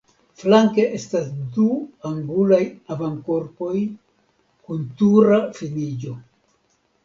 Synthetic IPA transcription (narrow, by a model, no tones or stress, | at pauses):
flaŋke̞ʔe̞stasduaŋɡulajavanko̞ɾpo̞j | kuntuɾafinid͡ʒo̞